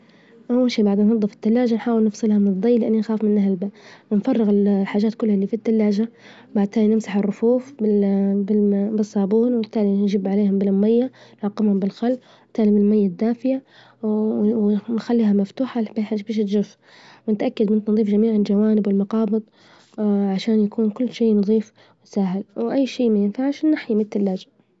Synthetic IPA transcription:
ʔawːalʃiːbaʕd̪ɪnːɑd̪ˤːɨfɪ̥t̪ːalːaːd͡ʒanħaːwɪlnɨfsˤɨlhɑmɪnɨd̪ˤːijlɪʔanːinxaːfmɪnːahlbawɪnfɑrˤːɪɣɪllħaːʒaːt̪kʊlːhaliːfit̪ːalːaːʒa | baʕd̪̚t̪aːlinɪmsaħɪrˤːʊfuːfbɪbɪbɪsˤːɑːbuːnwɪt̪ːaːlinʒɪbʕaleːhʊmbɪlamːajːanʕɑqːɪmhʊmbɪlxalː | wɪt̪ːaːlimɪnɪlmajːad̪ːaːfɪja | wnxalːiːhamaft̪uːħabaħaʒbiːʃ̬ɪt̪ʒʊf | wɪnɪt̪ʔakːad̪mɪnt̪nðˤiːfd͡ʒamiːʕɪnd͡ʒawaːnɪbwɪlmɑqɑːbɨðˤ | ʕaʃaːnjakuːnkʊlːʃeːnʊðˤiːf | wɪsaːɦɪlwʔajːʃiːmajɪnfaʕʃnːaħjimt̪ːalːaːd͡ʒa

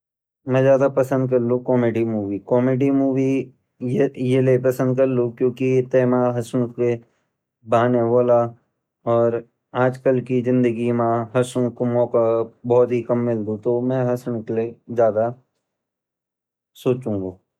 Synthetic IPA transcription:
mɛ̃zjaːd̪apɐsə̃nd̪̚kɐɾlukɔːmeːɖimuːʋikɔːmeːɖimuːʋi | jejelepɐsə̃nd̪̚kɐɾlukjõːkit̪ɛːmãɦɐsñke | baːneboːla | ɔːɾ | aːd͡ʒkəlkizɪ̃nd̪əɡimãɦɐsʊ̃komɔːkabɔːt̪ɦikɐmːɪld̪ut̪omɛ̃ɦɐsɽ̃klezjaːd̪a | soːt͡ʃũːŋɡa

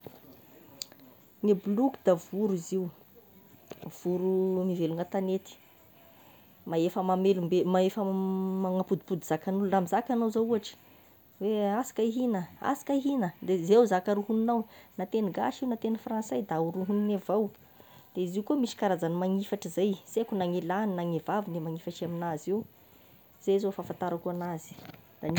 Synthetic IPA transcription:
nibulukd̪avuɾiziw | v̥uɾumiveluŋət̪anet̪i̥ | maefəmamelumbemaefəmaŋapud̪i̥pud̪iz̥akanuluramizakʲanowzauaʈ͡ʂə̥ | weasḁkaiɦinəa̰sḁkʲaiɦinəd̪ezewzakaɾuɦuninawnat̪eniɡa̰ʃiwnat̪enəfransajd̪auɾuɦuninavaw | d̪̥eiziukumiʃi̥kaɾazanimaŋifaʈ͡ʂizajsekunaŋelaninaŋevavinemaŋifaʈ͡ʂaminaziw | z̥ezofafant̪aɾakuanazi̥d̪̥an

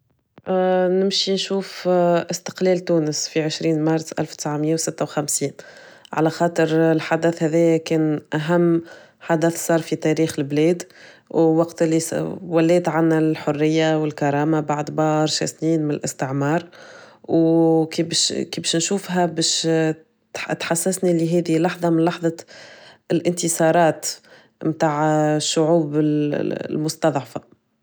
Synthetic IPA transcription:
ʔnɪmʃinʃuːfʔɪst̪ə̥qlɛːlt̪uːnəsfiʕɪʃɾiːnmɑɾˤsʔæ̰lfw̥t̪ɪ̥sʕaməjːawsɪt̪ːawxæmsiːnʕa̰læxɑːt̪ˤəɾɪlħad̪æθhæðɛːjækɛːnʔæɦæmː | ħad̪æθsˤɑːɾˤfit̪æɾiːxɪlblɛːd̪ | wwɑqt̪lːiwælːɛːt̪ʕanːælħʊrːɪjːawɪlkɑɾˤɑːmabaʕd̪bɑːɾˤʃæ̰sniːnmɪnɪlʔɪ̰st̪ɪʕmɑːɾˤ | wkibʃkibʃnʃuːfɦæbɛːʃ | t̪ħasːæsniliɦɛːðilɑħðˤɑmɪnlɑħðˤɑ | ɪlʔɪnt̪ɪsɑːɾˤɑːt̪ | mt̪aːʕʃːʊʕuːbɪlmʊst̪ɑðˤʕfa

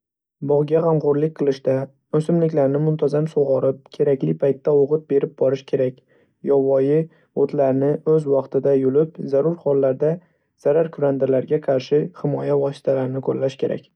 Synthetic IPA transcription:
bɒʁɡʲaʁamʁoɾlɪk̚ʲqʰɨlˠɪʃd̪a | ɵsɪmlɪkʲlaɾnɪmʊmt̪ʰazamsoʁɒɾɪp̚kʲʰe̞ɾakʲlɪpʰajt̪ːaoʁɨt̪̚be̞ɾɪp̚bɒɾɪʃkʲʰe̞ɾakʲ | jɒvɒjɪ | ot̪ʰlaɾnɪɵzwɑqt̪ʰɪd̪ajolɪpzaɾʊɾχɒlˠːaɾd̪a | z̥aɾaɾkʰʊɾand̪ɪɾlaɾɡʲaqʰɑɾʃɪhɪmɒjavɒsɪ̥t̪ʰalaɾnɪkʰoɾlaʃkʲʰe̞ɾa̰kʲ

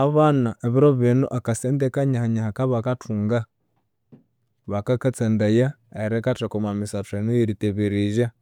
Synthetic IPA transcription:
aβanaʔeβiɾoβinṵʔakaseːndekaɲahaɲahakaβakatʰuːŋɡa | βakakat͡sendajaeɾekatakomamisatwenujiɾiteβiɾiʒa

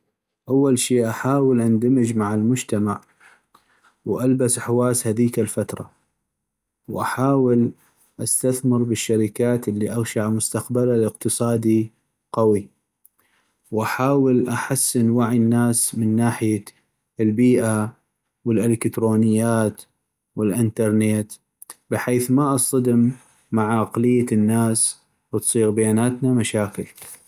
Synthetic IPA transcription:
ʔawːalʃiːʔaħaːwəlʔand̪amɪd͡ʒmaʕalmʊd͡ʒt̪amaʕ | wʔalbasħwaːshaðiːkalfat̪ɾˤɑ̰ | wʔaħaːwɪl | ʔast̪aθmɪɾbɪʃːaɾɪkaːt̪ʔɪlːiʔaɣʃaʕmʊst̪aqbalalɪqt̪ɨsˤɑːd̪i | qawi | wʔaħaːwɪlʔaħasːɪnwaʕjnːaːsmɪnːaːħɪja | lbiːʔa | wəlʔɪlɪkt̪ɾoːnɪjːaːt̪ | wɪlʔɪnt̪ɑɾˤneːt̪ | bɪħeːθmaʔɑsˤɑd̪ɪmː | aʕaqlɪjːanːaːs | wət̪sˤiːɣbajaːnaːt̪namaʃaːkɪl

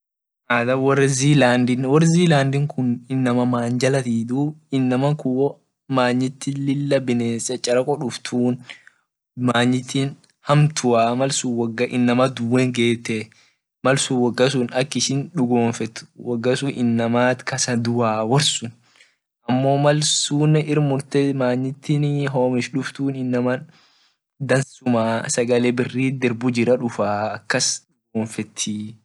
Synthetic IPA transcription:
ʔaːd̪ɐwɔrːɪziːlaːnd̪ɪnwɔɾziːlaːnd̪ɪŋkʰʊnɪnːɐmɐmaːɲd͡ʒɐlɐt̪iːd̪uːɪnːɐmɐkʊɔ | maːɲːɪt̪ːɪlɪlːɐbɪneːsɐt͡ʃʼːɐɾɐkʼɔᶑʊft̪ʰuːn | maːɲːɪt̪ːin | hɐmt̪ʰʊwaːmɐlsuwɐɡɐʔɪnːɐmɐd̪ʊweŋɡe̞ːt̪ːe | mɐlsuwɐɡːɐs̬ʊnɐkːɪʃɪnᶑʊɡoːnfɛt̪ʊ̥wɐɡːɐsʊnɪnːɐmaːt̪kɐsɐd̪ʊʔaːwɐɾsʊn | ʔɐmːo̞ːmɐlsuːnɛʔɪɾmʊɾt̪ɛmaːɲːɪt̪ːinɦoːmɪʃᶑʊft̪uːnɪnːɐmɐ | d̪ɐnsʊmasɐɡɐlɛbɪrːiːd̪ɛɾbʊd͡ʒɪɾɐᶑʊfaːkːɐsᶑʊɡoːnfɛt̪ʰːɪ

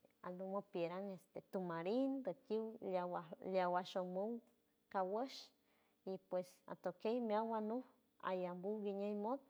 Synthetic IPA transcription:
alumopjeɾaŋest̪et̪umaɾind̪okiwawaljawaʃomuw | kawəʃ | ipwesa̰t̪okejmiawanuh | a̰jambuwɡiɲəjmod̪̚

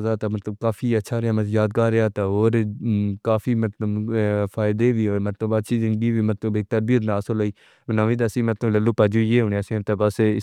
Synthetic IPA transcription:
zaːt̪aːmət̪ləb̚kaːfʰiːətːʃʰaːɾeaːməjaːd̪̚kaːɾeaːt̪aɦoːɾkaːfiːmət̪ləbfʰaːɪd̪eːʋiːoːɾmət̪ləbəʃʰiːd͡ʒɪŋbiːʋiːmət̪ləbek̚t̪əɾbiːnaːsoloːiː | bənãːʋiːd̪asĩːmət̪lələlːuːpad͡ʒuːjeːɦʊneasĩt̪ːbəsɪ

